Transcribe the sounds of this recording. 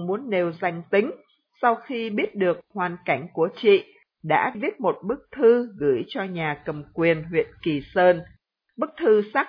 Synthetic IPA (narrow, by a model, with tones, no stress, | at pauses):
ŋ͡mmu˨˦ənːe˨˩wza˧jŋ̟t̪ï˨˦ŋ̟ | sa˧wxi˧ɓi˦˥ət̚ɗɨ˨˩ək̚hwaː˨˩nka˧˩jŋ̟ku˧˩ət͡ɕḭ˧˨ | ɗa̰ː˧˥ɓi˦˥ət̚mo˨˩t̚ɓɨ˦˥k̚t̪ʰɨ˧ɣɨ˧˩jt͡ɕɔ˧ɲaː˨˩kə˨˩mkwi˨˩ənɦwḭ˧˨ənki˨˩səː˧n | ɓɨ˦˥k̚t̪ʰɨ˧sa˦˥